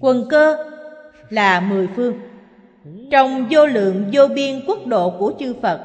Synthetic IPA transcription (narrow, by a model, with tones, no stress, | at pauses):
kwə˨˩nkəː˧ | laː˨˩mɨ˨˩əjfɨ˧əŋ | t͡ɕɔ˧wŋ͡mzo˧lɨ̰˧˨əŋzo˧ɓi˧ənku˦˥ək̚ɗo̰˧˨ku˧˩ət͡ɕɨ˧fə˨˩t̚